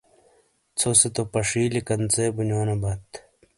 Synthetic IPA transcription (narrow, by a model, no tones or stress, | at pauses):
t͡sʰoset̪opɐʂiːlikɐnt͡seːbunoːnobɐt̪